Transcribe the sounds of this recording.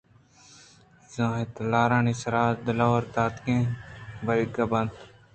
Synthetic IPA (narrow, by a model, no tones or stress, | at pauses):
zõːɦet̪laːɾãːnisɐɾaːɾd̪ɐlawɾt̪aːt̪kẽːbɐɾiɡɐbɐnt̪